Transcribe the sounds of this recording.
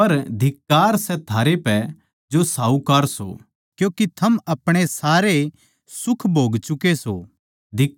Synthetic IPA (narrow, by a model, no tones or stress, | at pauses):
ɐɾd̪ʱɪkːaːɾsɛt̪ʰaːɾepɛ | d͡ʒosaːukɐɾso̰ | kjõːkit̪ʰɐmɐpɽ̃esaːɾe | sʊkʰbʱoːɡt͡ʃʊkeso̰ | d̪ʱɪ